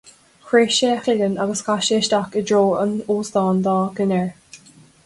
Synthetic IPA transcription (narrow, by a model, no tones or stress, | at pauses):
kʰɹeːʃeːxɪlənaɡəskaʃeːʃd̪akədɹoːənoːsd̪ɑːnd̪ɑːɡənɛɹ